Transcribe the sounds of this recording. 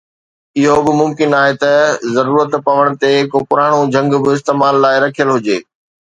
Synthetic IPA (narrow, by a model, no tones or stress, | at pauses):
ɪɦobɪmʊmkɪnaːɦet̪ɐzɐɾuːɾət̪pɐʋəɽ̃̆t̪ekpʊɾaːɽ̃od͡ʑʱɐ̃ŋɡbɪɪs̬t̪eːmaːlːaːɪɾɐkʰijəlɦʊd͡ʑeː